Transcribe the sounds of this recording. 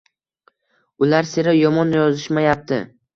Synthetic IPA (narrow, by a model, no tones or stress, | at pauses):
ʊlaɾseɾajɒmɒnjɒzɪʃmajap̚t̪ʰɪ̰